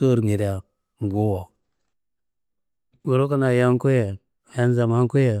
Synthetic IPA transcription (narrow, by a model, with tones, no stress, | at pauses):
o˦ɾŋi˨ɾa˨ | ŋ˨ɡu˦wo˨ | bo˨ɾo˦ka˦na˨ja˦ŋ˦ku˦je˨ | ja˦n˦za˨ma˦ŋku˦je˨